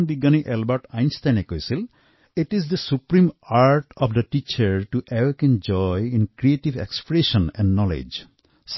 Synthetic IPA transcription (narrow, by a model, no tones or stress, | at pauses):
nbiɡːaniʔɛlbaɹʈajnst̪ajnekojsil | iʈizd̪əsupɹimaɹʈɔfʰd̪əʈit͡ʃəɹʈuʔɛwekɛ̃nd͡ʒɔjĩnkɾieʈibḛkspɹeʃɔ̃nɛ̰̃nɖnɔlḛd͡ʒ | s